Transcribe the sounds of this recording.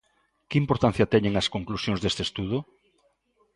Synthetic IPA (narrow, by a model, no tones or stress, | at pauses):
kɪimpoɾt̪ãn̟θjɐt̪ɛɲeŋɐskoŋklusjõŋzðest̪est̪uðʊ